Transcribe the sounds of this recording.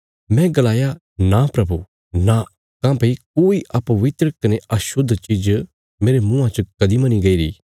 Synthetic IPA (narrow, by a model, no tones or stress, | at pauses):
mɛ̃ɡɐlaːja | napɾɐbʱu | na | kãːpɐik̚oːiʔɐpɐʋɪt̪ɾəkɐneɐʃʊd̪ʱːt͡ʃid͡ʒ | meːɾemʊ̃ːãt͡ʃɐkɐd̪imɐniɡɐiɾḭː